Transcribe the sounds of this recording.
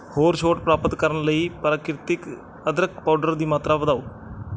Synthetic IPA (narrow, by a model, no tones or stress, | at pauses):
hoːɾʃoːʈpɾaːpət̪kəɾənləiːpɾaːkɾɪt̪ɪk | əd̪ɾək̪̚paːɖəɾd̪iːmaːt̪ɾaːʋəd̪aːoː